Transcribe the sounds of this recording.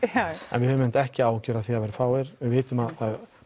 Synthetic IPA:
ɛ̰nvɪhɛvʏmɪnt̪ɛhcɪaːwcœːɾaθiavɛɾɪfaːwɛɾ̥vɪveːt̪ʏmaðθað

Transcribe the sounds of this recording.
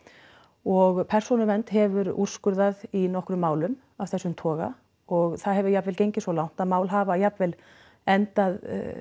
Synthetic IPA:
ɔɣpʰɛr̥sɔnʏɾmɛnt̪ɦɛvʏɾṵr̥skʏɾðaðinɔhkɾʏmːaːwlʏm | avθɛsːʏmt̪ʰɔːɣa̰ | ɔɣθaðɦɛvʏjapvɛlcejɲcɪsɔlawn̥t̪aðmaːwlɦaːvajapvɛl | ɛnt̪að̰

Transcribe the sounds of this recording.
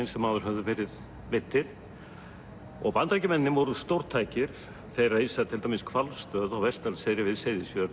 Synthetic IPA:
jnsɛmːaːðʏɾ̥ɦœvðʏvɛːɾɪð | vɪt̪ːɪɾ̥ | ɔ̰ɣvant̪ɾajcɪmɛnːɪnːɪmvɔɾʏst̪owɾ̥t̪ʰaːjcɪɾ̥ | θejraisaðt̪ʰɪlt̪amɪskʰvalst̪œːðɔwvɛst̪alsejɾɪvɪðseːðɪsjœɾ

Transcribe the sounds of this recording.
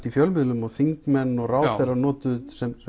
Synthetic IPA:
t̪ifjœlmɪðlʏmɔɣθiŋkmɛnːɔɣraːwθɛjraɾnɔːt̪ʏsɛm

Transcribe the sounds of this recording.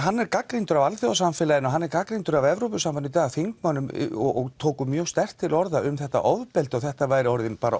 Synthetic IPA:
ɦanːɛɾkakɾint̪ʏɾavalθjɔðasamfɛːlaðɪnɔɦanːɛɾkakɾint̪ʏɾavɛvɾowpʏsamfanɪt̪aːaθiŋkmanːʏm̰ɔɔɣt̪ʰoːkʏmjœːɣst̪ɛr̥t̪ʰːɪlɔɾðaʏmθɛht̪a̰ʔɔðpɛlt̪ɔɣθɛht̪avaːjɾɪɔɾðɪnpaːɾa̰

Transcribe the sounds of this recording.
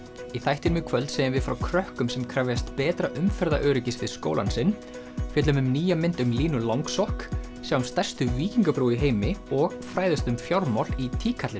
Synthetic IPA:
iθajht̪ɪnmɪkʰvœlt̪seːjɪmvɪðfɾawkʰɾœhkʏmsɛmkʰɾavjast̪pɛːt̪ɾaʔʏmfɛɾða̰ʔœːɾɪcɪsɪsko̰ːwla̰nsɪn | fjɛt̪lʏmʏmniːjamɪnt̪ʏmliːnʏlawŋksɔhk | sjawʏmst̪ɛr̥st̪ʏviːciŋkapɾuwiɦeːjmɪɔɣfɾaːjðɪst̪ʏmfjawɾmawlit̪ʰiːkʰat̪lɪn

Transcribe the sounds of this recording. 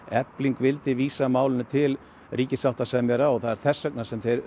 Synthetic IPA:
ɛpliŋkvɪlt̪ɪviːsamaːwlɪnʏt̪ʰɪl | riːcɪ̥sawht̪asɛmjɛɾaɔθaðɛɾ̥θɛsːœk̚nasɛmθejɾ

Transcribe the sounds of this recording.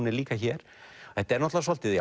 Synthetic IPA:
nɪliːkaçɛːɾ̥ | ɛt̪ɛɾnɔht̪lavasɔlt̪ɪði

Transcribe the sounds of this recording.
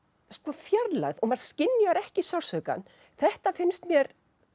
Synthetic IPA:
skɔfjaɾla̰ɣðɔɣmaɾ̥scɪnːjaɾɛhcɪsawsœka̰n | θɛht̪afɪnst̪mjɛɾ

